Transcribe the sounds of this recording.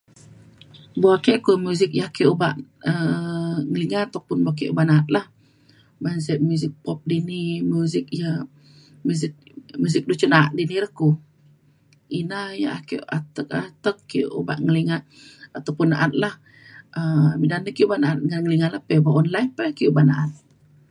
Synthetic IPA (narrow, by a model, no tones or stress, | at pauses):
buakeʔkumuzɪk̚jakeʔubaʔəŋəliŋaat̪apʊnbuaʔk̬eʔubaʔnaat̪̚lah | bansəʔmuzɪk̚pɔp̚dinimuzɪk̚ja | muzɪk̚muzɪk̚dut͡ʃənaʔdiniɾəhku | inaja̰ʔakeʔat̪ək̚a̰t̪əkːiʔuba̰ʔŋəliŋa | at̪apʊnːaʔat̪̚lah | əbidandəkiubaʔnaat̪̚ŋanŋəliŋaləpebaʔɔnlaipɛkiubaʔna̰ʔat̪̚